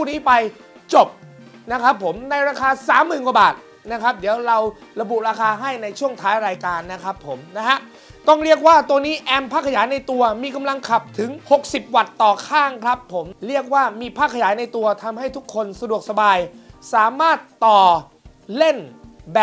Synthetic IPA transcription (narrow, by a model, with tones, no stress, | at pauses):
pʰuː˥˩niː˦˥pa˧j | t͡ɕo˨˩p̚ | na˦˥kʰɾa˦˥pʰːo˩˦mna˧jɾaː˧kʰaː˧saː˩˦mːɯː˨˩nkwu˧ba̰ː˨˩t̪̚ | na˦˥kʰɾa˦˥p̚di˩˦əwɾa˧w | ɾa˧bu˨˩ʔɾaː˧kʰaː˧ɦa˥˩jna˧jt͡ɕʰu˥˩əŋt̪ʰaː˦˥jɾaː˧jkaː˧nːa˦˥kʰɾa˦˥pʰːo˩˦mna˦˥ɦa˦˥ʔ | t̪ɔ˥˩ŋɾi˥˩ək̬̚waː˥˩t̪u˧niː˦˥ʔɛː˧mpʰaː˥˩kʰːjaː˩˦jna˧jt̪u˧ɐmiː˧ka˧mla˧ŋkʰa˨˩p̚t̪ʰɯ˩˦ŋho˨˩k̚si˨˩p̚wa˨˩t̪ːɔː˨˩kʰaː˥˩ŋkʰɾa˦˥pʰːo˩˦mɾi˥˩ək̚waː˥˩miː˧pʰaː˥˩kʰːa˧jaː˩˦jna˧jt̪u˧ɐt̪ʰa˧mɦa˥˩jt̪ʰu˦˥kʰːo˧nsa˧du˨˩ək̚sa˧baː˧jsaː˩˦maː˥˩t̪ːɔː˨˩ | le˥˩nbɛ˨